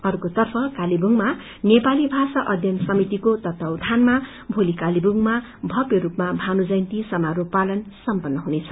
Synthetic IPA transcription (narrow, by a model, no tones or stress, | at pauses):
ʌɾukot̪ʌrpʰʌkalibuŋma | nepalibʱasaʔʌd̪ʱjʌnsʌmit̪ikot̪ʌt̪ʌwd̪ʱanma | bʱolikalibuŋma | bʱʌpjoɾupmabʱanud͡zʌjnt̪isʌmaɾopalʌnsʌmpʌnːʌɦunet͡sʰʌ̥